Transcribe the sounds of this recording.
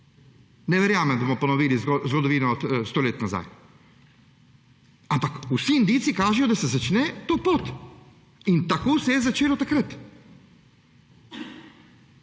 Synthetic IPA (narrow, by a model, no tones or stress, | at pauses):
nɛʋɛɾjaːmand̪asmoponoʋiːlizɡzɡod̪ɔʋiːnaot̪st̪oːleːt̪naza̰ːj | ampakusind̪iːt̪sikaːʒɛjod̪asɛzat͡ʃnɛt̪opoːt̪ | int̪akosɛjɛzat͡ʃeːlot̪akɾat̪